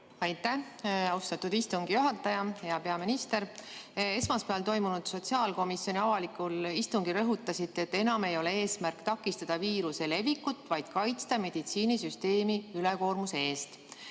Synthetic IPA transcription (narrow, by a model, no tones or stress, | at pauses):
ɑjt̪ːˑæ | ɑwst̪ɑt̪ud̪ist̪uŋɡ̥ijuɦɑt̪ːˑɑjɑhe̞ɑpe̞ɑminist̪e̞ɾe̞smɑspeɑlt̪o̞jmunud̪̥so̞t̪siɑːlko̞misjo̞nʲiɑvɑlikulist̪uŋɡ̥iɾɤɦut̪ːˑɑsit̪ːˑe̞t̪ːe̞nɑme̞jo̞lee̞ːsmærkt̪ɑkːˑist̪ɑd̪̥ɑviːɾuse̞le̞vikːut̪ːˑvɑjd̪̥kɑjt̪st̪ɑme̞d̪̥it̪siːnisyst̪e̞ːmiyleko̞ːrmuseeːst̪